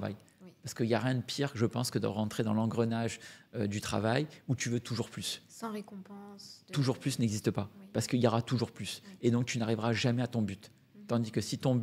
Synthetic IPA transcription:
va̰j | paʁsə̥kəiljaʁjɛ̃d̪əpʰiʁʒəpɑ̃skəd̪ə̰ʁɑ̃t̪χed̪ɑ̃lɑ̃ɡʁənaʒød̪yt̪χa̰vajut̪yvøt̪ʰuʒuʁplysʁekɔ̃pɑ̃t̪uʒuʁplysnɛɡzist̪əpapaʁsə̥kəiljɔʁat̪uʒuʁplysed̪ɔ̃k̚t̪ynaʁivʁaʒamɛat̪ɔ̃byt̪ː | ɑ̃d̪ikəsit̪ɔ̃b

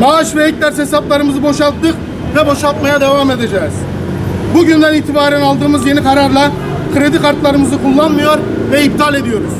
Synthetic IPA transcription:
maʃvɛhec̚ʲd̪æɾshesɑplˠɑɾɯmɯzɯbo̞ʃɑlˠt̪ːɯq | vɛboʃalˠt̪̚majad̪evame̞d̪ed͡ʒɛːz̥ | buɟynd̪æniːt̪ʰibaːɾænɑlˠd̪ɯːmɯzjenikʰɑɾaɾlˠɑ | kʰɾed̪ikaɾt̪lˠɑɾɯmɯzɯkʰulˠːanmɯjoɾ | vɛib̚d̪ʰɑlˠe̞d̪ijo̞ɾuz̥

